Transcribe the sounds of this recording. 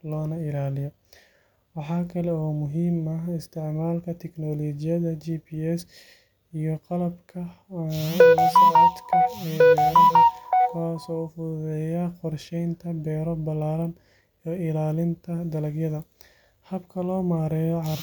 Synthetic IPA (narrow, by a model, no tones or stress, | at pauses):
lɔːnɐɪlaːlɪjɔ | wɑħɑːkʰɐlɛɔːmʊɦiːmɐɪst̪ʰɪʕmaːlkʰɐt̪ʰɛknɔːlɔːt͡ʃɪjɐðɐt͡ʃiːpʰiːɛs | ijɔqɑlɐbkʰɐ | sad̪kʰɐɛɐɐkʰasɔːfʊðɛjɐqɔrʃɛjnt̪ʰɐbɛːɾɔbɐlaːɾɐm | ɔɪlaːlɪnt̪ʰɐd̪ɐlɐɡjɐðɐ | hɐbkʰɐlɔːmaːɾɛːjɔʕɑ